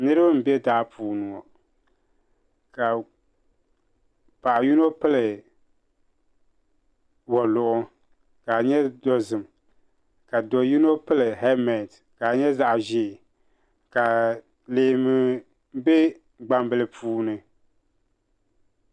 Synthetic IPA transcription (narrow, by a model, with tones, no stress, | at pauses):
nɨ˦ɾɨ˦bɨ˦m̩˨bɛ˦da˦pʰuː˨nu˨ɔ˨ | ka˨ | pa˨ʔa˨ju˦no˦pɨ˦lɨ˨ | wɔ˨lʊ˨ʔʊ˦ | ka˨ɲɛ˦dɔ˦zɨ˨m | ka˨dɔ˨ju˦no˦pɨ˦lɨ˨hɛ˦mɛ˨n˨t | ka˨ɲɛ˦za˦ʔʒɪ˦˨ | ka˨ | leː˨mɨ˦ | bɛ˦ | ɡ͡ba˦m˦bɨ˨lɨ˨pʰuː˦nɨ˨